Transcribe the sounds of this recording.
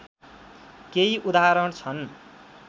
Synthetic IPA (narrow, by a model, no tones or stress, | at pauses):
keiʔud̪aɾʌɳt͡sʰʌn